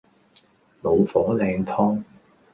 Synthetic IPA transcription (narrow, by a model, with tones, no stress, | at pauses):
lo˨˧wfɔː˨˥lɛː˧ŋt̪ʰɔː˥ŋ